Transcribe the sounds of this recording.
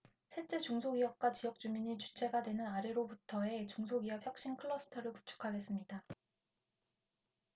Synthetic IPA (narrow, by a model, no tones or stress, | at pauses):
sʰet͡ɕ͈e̞t͡ɕuŋsʰoɡijʌp̚k͈wat͡ɕijʌk̚t͡ɕ͈umiɲit͡ɕu̥t͡ɕʰe̞ɡadwe̞nɯnaɾe̞ɾobutʰʌe̞t͡ɕuŋs̬ʰoɡiʌpçjʌk̚ɕ͈inkʰɯɭːʌsʰɯ̥tʰʌɾɯɭku̥t͡ɕʰu̥kʰaɡe̞s͈ɯmɲida